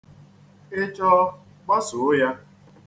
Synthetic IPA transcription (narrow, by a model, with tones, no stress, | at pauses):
ɪ˦t͡ʃɔ˦ | k͡pɔ˦sʊ˨ʊ˦ja˦